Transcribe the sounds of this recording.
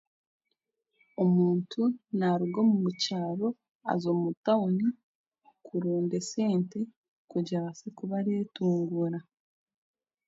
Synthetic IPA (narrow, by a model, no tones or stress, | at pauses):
o̞muːntʰunaɾuɡomumucaːβo̞ | a̰zoːmutauɲi | kʰuɾuːnde̞se̞ːnte̞ | kuɟaβasekuβaɾetuːŋɡuɾa